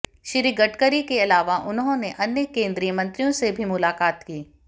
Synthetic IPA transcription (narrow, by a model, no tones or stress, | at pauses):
ʃɪɾiɡɐʈkəɾikeɐlaːʋaʔʊnɦõneʔɐnjəkẽːnd̪ɾijəmɐ̃nt̪ɾijõsebʱimʊlaːkaːt̪kiː